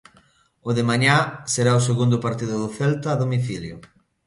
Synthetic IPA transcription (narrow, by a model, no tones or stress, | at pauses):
ʊðɪmaɲaseɾaʊseɣund̪ʊpaɾt̪iðʊðʊθɛlt̪aːðomiθiljʊ